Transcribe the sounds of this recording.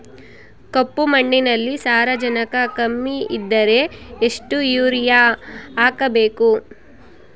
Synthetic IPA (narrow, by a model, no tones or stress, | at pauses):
kopːumɐɳɖinɐlːisaːɾɐd͡ʒɐnɐkɐkɐmːiid̪ːɐɾe̞eʂʈujuːɾijaaːkɐbeːku